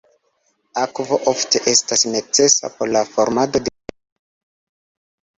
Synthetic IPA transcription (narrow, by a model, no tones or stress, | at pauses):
akvo̞ʔofte̞ʔe̞stasne̞t͡se̞sa̰poɾlafoɾmado̞de